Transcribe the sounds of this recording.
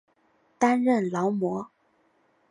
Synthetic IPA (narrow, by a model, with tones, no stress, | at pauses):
t̪a˥nɻə˥˩nlɑ˧˥ʊmwɔ˧˥